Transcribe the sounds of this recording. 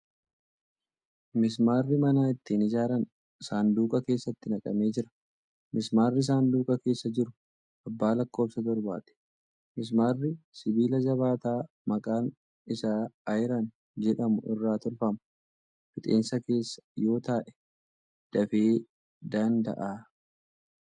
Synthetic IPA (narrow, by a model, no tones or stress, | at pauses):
mɪs̬maːrːɪmɐnaːɪt̪ːiːnɪd͡ʒaːɾɐn | saːnd̪uːkʼɐke̞ːsːɐt̪ːɪnɐkʼɐme̞ːd͡ʒɪɾɐ̥ | mɪsmaːrːɪs̬aːnd̪uːkʼɐke̞ːsːɐd͡ʒɪɾʊ̥ | ʔɐbːaːlɐkːo̞ːpsɐt̪ɔɾba̰ːt̪ɛ̥ | mɪs̬maːrːɪsɪbiːlɐd͡ʒɐβaːt̪aː | mɐkʼaːn | ɪsaːɐjɪɾɐn | d͡ʒɛᶑɐmʊʔɪ̰rːaːt̪ɔlfɐm | fɪt̪ʼḛːnsɐke̞ːsːɐ̥jo̞ːt̪aːʔɛ̥ | d̪̥ɐfeː | d̪ɐnd̪ɐ̰ʔaː